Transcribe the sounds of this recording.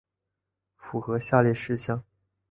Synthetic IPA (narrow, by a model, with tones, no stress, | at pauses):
fu˨˩xɤ˧˥ɕja˥˧ljɛ˥˩ʂɻ̩˥˧ɕjɑ˥˩ŋ